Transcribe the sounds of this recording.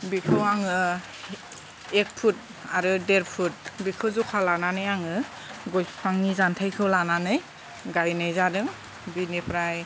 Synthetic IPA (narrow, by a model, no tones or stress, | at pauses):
bikʰɯwaŋɯ | ek̚pʰut̚ | aɾɯdeɾpʰut̚bikʰɯzukʰalananɯjaŋɯ | ɡɔjpʰaŋnizantʰajkʰɯwlananɯj | ɡajnɯjzadɯŋ | binipʰɾaj